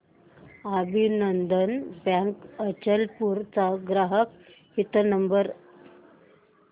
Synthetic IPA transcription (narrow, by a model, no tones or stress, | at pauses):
abʱinənd̪ənbjãŋkət͡ɕəlpuɾt͡saɡɾaɦək̚ | hit̪ənəmbəɾ